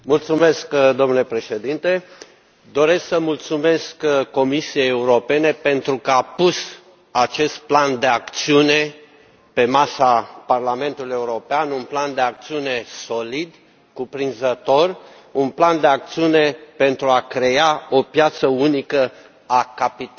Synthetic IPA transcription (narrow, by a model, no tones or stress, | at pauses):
mult̪sume̞skd̪o̞mnule̞pɾe̞ʃe̞d̪int̪e̞ | d̪o̞ɾe̞sksəmult̪sume̞skko̞misije̞jeuɾo̞pe̞ne̞pe̞nt̪ɾukəapus | at͡ʃe̞st̪̚pland̪e̞akt̪siune̞ | pe̞masaparlame̞nt̪uluije̞uɾo̞peanunpland̪e̞ak̚t̪siune̞so̞lid̪ | kupɾinzət̪o̞r | unpland̪e̞akt̪siune̞pe̞nt̪ɾuakɾe̞aopjat̪səunikə | akapit̪